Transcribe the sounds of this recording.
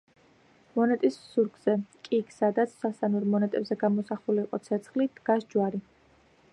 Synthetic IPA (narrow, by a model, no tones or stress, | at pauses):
mɔnɛt̪ʼissuɾɡzɛkʼiksad̪at̪sʰsast̪anuɾmɔnɛt̪ʼɛbzɛɡamɔsaχuliːqʼɔt̪sʰɛt̪sʰχlid̪ɡasd͡ʒwaɾi